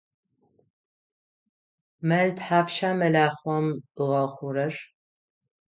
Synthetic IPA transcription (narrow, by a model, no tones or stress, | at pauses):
mɐltħaːpʃaːmɐlaːχʷwɐmɨʁɐχʷʊɾɐr